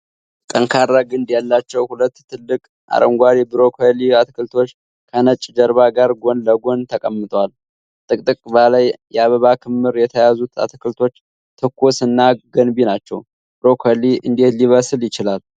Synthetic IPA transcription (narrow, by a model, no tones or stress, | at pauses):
kʼəŋkʰaɾːaɡɨnd̪jalːat͡ʃːɛwhulət̪ːʰɨlːɨkʼ | ʔa̰ɾəŋɡʷaɾibɨɾo̞kʰeliat̪kʰɨlt̪ʰo̞t͡ʃː | kʰənət͡ʃʼːd͡ʒəɾβaɡaɾɡo̞nləɡo̞nt̪ʰəkʼəmːɨt̪ʼwal | t̪ʼɨkʼt̪ʼɨkʼbalajjɛaβəβakʰɨmːɨɾjɛt̪ʰəjazut̪ʰa̰t̪kɨlt̪ʰo̞t͡ʃː | t̪ʰɨkʰːusɨnːaɡənbinat͡ʃːɛ̰w | bɾo̞kʰliʔɨ̰nd̪e̞t̪liβəsɨljɪt͡ʃɪlal